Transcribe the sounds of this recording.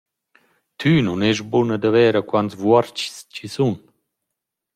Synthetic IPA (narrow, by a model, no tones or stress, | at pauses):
t̪ʰynunɛʃbunəd̪avɛːɾəkwantzvwɔɾt͡ʃscisun